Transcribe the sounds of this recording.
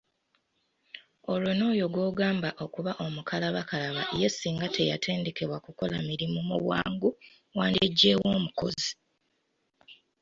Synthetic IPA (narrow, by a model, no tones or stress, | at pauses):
o̞lono̞ːjo̞ɡwo̞ːɡaːmbaʔo̞kuβaʔo̞mukʰalaβakalaβaeje̞siːŋɡatʰe̞jatʰe̞ːnde̞ke̞βwakuko̞lamiɾimumṵβwa̰ːŋɡu | waːndieɟːeːwo̞ːmuko̞̰zi